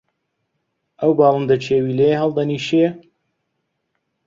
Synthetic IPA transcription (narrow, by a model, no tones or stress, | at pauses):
ʔɐwbɑːlˠɨnd̪ɐt͡ʃʰeːwiːlejeɦɐlˠd̪ɐniːʃe